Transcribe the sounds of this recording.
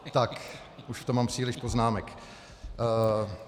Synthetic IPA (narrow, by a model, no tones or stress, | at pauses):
t̪ak | ʔuʃft̪omːaːmpr̝̥iːlɪʃpoznaːmɛkː